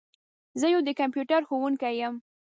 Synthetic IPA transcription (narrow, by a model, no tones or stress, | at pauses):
zəjowd̪əkampjuʈaɾxowuŋkajəm